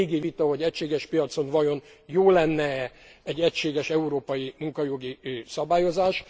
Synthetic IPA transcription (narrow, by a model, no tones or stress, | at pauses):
ɡivit̪ɒɦo̞ɟɛcʃeːɡɛʃpijɒt̪so̞nvɒjo̞njoːlɛnːɛ | ɛɟːɛcʃeːɡɛʃɛuɾoːpɒjimuŋkɒjoɡisɒbaːjo̞zaːʃ